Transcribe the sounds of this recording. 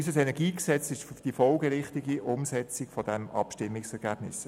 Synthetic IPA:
ysəsɛnɛɾɡiːksɛt͡sɪʃʊfd̥ifɔlɡəɾɪχtɪɡiʔʊmsɛt͡sɪkfɔd̥ɛmɑ̰pʃtɪmːɪksɛɾɡ̥æːb̥nɪs

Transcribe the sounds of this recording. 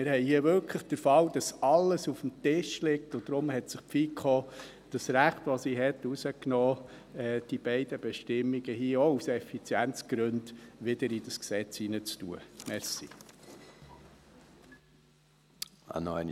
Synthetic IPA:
mɪɾhɛɪhiəʋʏlkʰləχd̥əɾfɑwd̥ɑsɑlːəsufm̩tɪʃlɪktʊd̥̪ɾʊmhɛtsəχpfiːkχɔː | d̥əsɾæχt̪ʋɔsiɦɛt̪usəknɔː | ɛːd̥ib̥ɛɪd̥̪əb̥ɛʃtɪmːiɡ̥əhiəɔusɛfit͡sjænt͡sɡ̥ɾʉndʋɪd̪əɾidəsksɛt͡shinət͡stṵəmɛɾsḭ | ɑ̰nɔ̰n

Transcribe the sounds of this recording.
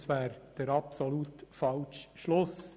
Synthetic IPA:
sʋæːɾd̪̥əɾɑpsɔlut̪fɑlʃʃlʊs

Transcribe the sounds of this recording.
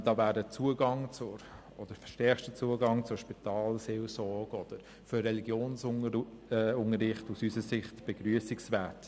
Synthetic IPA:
d̥ɑːvæːdət͡suəɡɑŋt͡sʊɾ | ɔd̥əɾfʃtɛɐχtət͡suəɡɑŋt͡sʊʃpitɑːlseːlsɔɾɡ̥ɔd̥əɾ | førɛliɡjoːns | ʊŋəɾɪχtusysəsɪχtb̥ɛɡ̥ɾyəsiksvɛːt

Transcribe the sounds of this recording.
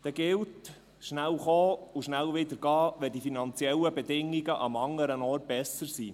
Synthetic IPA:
d̪̥ɛɡɪlt | ʃnælχoːuʃnælʋɪd̪əɾɡ̥ɑːʋɛd̥ifinɑnt͡siɛləbɛd̪ɪŋːiɡəʔɑ̰mɑŋəɾənɔːrt̚b̥ɛsəɾsiː

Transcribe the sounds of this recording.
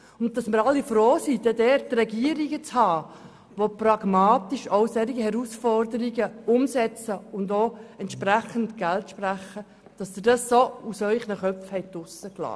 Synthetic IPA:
ʊnttːɑsməɾɑlːifɾoːsid̥ɛdɛttrɛɡiəɾiɡət͡shɑː | ʋoprɑɡ̥mɑːtiʃowsɛɾiɡəhɛɾusfɔrdəɾiɡəʊmsɛt͡səʊndoːɛntʃpɾæχəntɡ̥æltʃpræχə | d̥ɑsd̥̪ədɑsːousœʏχnəχœpfhɛɪtʊsəklɑ̰ː

